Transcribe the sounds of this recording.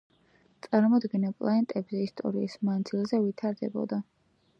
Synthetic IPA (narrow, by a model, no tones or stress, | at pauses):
t̪sʼaɾmɔd̪ɡɛnɛlˠpʼlˠaɛnt̪ʼɛbzɛist̪ʼɔ̰ɾiismand̪zilˠzɛvit̪ʰaɾd̪ɛbɔ̰d̪a